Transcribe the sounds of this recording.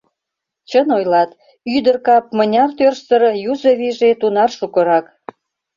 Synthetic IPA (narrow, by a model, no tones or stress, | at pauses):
t͡ɕənojlɑt̪ | yd̪ərkɑp̚mənʲɑrt̪ørʃsəɾjuzəβiʒet̪unɑrʃukə̆ɾɑk